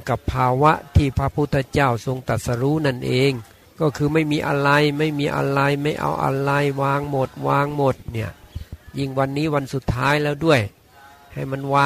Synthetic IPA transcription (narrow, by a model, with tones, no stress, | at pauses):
ka˨˩pʰːaː˧wa˦˥ʔt̪ʰiː˧˩pʰɾa˧˥pʰu˧˥˩t̪ʰːɛ˧t͡ɕa˥˩wso˧ŋt̪a˨˩t̪̚sa˧ɾuː˦˥na˥˩nʔeː˧ŋ | kɔː˧˥˩kʰɯː˧ma˥˩jmiː˧ʔa̰˧ɾa˧jma˥˩jmiː˧ʔa̰˧ɾa˧jma˥˩jʔa̰˧wʔa̰˧ɾa˧jwaː˧ŋmo˨˩t̪̚waː˧ŋmo˨˩t̪̚ni˧˩ɐji˧˩ŋwa˧nːiː˦˥wa˧nsu˨˩t̪ʰːaː˦˥jlɛː˧˩wdu˥˩əj | ha˨˩jma˧˥nwaː˧